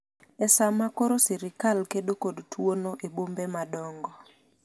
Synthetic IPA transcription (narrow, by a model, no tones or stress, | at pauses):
ɛsamakɔɾosiɾikalkeɗokodtwonoʔebombemadɔŋɡɔ